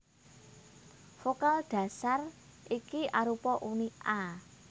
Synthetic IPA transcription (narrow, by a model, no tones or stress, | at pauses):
fokalɖ̥ä̤sarʔikiʔaɾupɔʔuniʔa